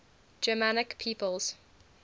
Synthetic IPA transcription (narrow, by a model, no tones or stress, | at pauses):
d͡ʒəmanɪkpʰiːpəlˠz̥